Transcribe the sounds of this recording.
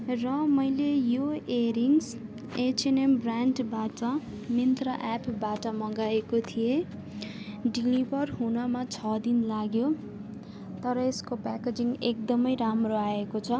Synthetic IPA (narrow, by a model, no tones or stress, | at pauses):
rʌmʌjlejoeɾiŋs | et͡senembraɳɖbaʈʌ | mint̪rʌʔapʰbaʈʌmʌɡaekot̪ʰije | ɖilibʱʌrɦunʌmat͡sʰʌd̪inlaɡjo | t̪ʌɾʌeskopaked͡ziŋɡek̚d̪ʌmʌjɾamroaekot͡sʰʌ